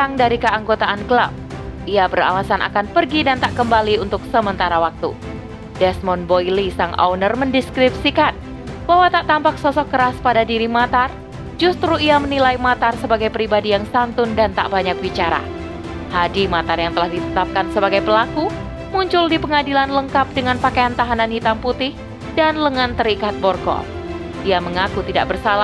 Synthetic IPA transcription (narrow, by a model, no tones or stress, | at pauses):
t̪aŋdaɾikəaŋɡot̪aʔankəlap̚iabəɾa̰lasanʔa̰kanpərɡidant̪aʔkəmbaliunt̪ʊksəmənt̪aɾawak̚t̪ṵ | dɛsmɔnbojlisaŋʔa̰wnərməndɛskɾipsikan | baɦwat̪aʔt̪ampak̚sɔsɔkːəɾaspadadiɾimat̪ar | d͡ʒust̪ɾuiamənilajmat̪arsəbaɡajpəɾibadijaŋsant̪ʊndant̪a̰ʔbaɲak̚bit͡ʃaɾa̰ | hadimat̪arjaŋt̪əlahdit̪ət̪ap̚kansəbaɡajpəlaku | muɲt͡ʃʊldipəŋadilanləŋkap̚dəŋanpakajant̪aɦananhit̪amput̪ɪh | danləŋant̪əɾikat̪̚bɔrɡɔ̰ | diaməŋakut̪ida̰ʔbərsala